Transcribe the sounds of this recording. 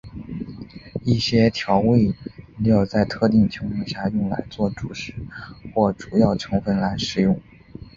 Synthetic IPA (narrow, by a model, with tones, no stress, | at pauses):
i˥˩ɕjɛ˥t̪ʰjɑ˧˥ʊwe˥˩ɪ˧˥jo˨˩ʊt͡sa˥˧ɪt̪ʰɤ˥˧t̪i˥˩ŋt͡ɕʰi˧˥ŋfə˥˧ɕja˥˧jʊ˥˩ŋla̰˧˥ɪt͡swɔ˥˩ʈ͡ʂu˨˩ʂɻ̩˥xwɔ˥˩ʈ͡ʂu˨˩jɑ˥˩ʊʈ͡ʂʰɤ˧˥ŋfə˥˧nla˧˥ɪʂɻ̩˥˩jʊ˥˩ŋ